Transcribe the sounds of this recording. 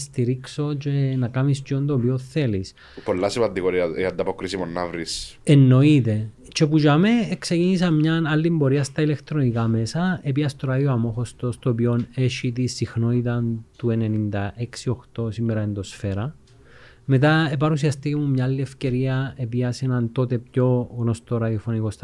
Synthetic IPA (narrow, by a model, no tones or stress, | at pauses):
st̪iɾikso̞t͡ʃe̞nɐkɐmist͡ʃiond̪oːpioθelis | polːɐsipɐnd̪iɣoɾiɐiɐnd̪ɐpokɾisimonːɐvɾisenːo̞it̪e̞ | t͡ʃe̞pud͡ʒɐme̞ːksecinis̬ɐmɲɐnɐlːimbo̞ɾiɐst̪ɐilekt̪ɾo̞nikɐme̞sɐepiɐst̪oɾɐðioɐmo̞xost̪ost̪opio̞ne̞ʃit̪isixno̞it̪̬ɐnt̪ue̞ne̞nind̪ɐʔeksio̞xt̪o̞simːeɾɐend̪o̞sfe̞ɾɐ | me̞t̪̬ɐep̬ɐɾusiɐst̪icemumɲaːlːiefce̞ɾiɐepiɐsenɐnt̪o̞t̪e̞pco̞ɣno̞st̪oɾɐðiofonikost̪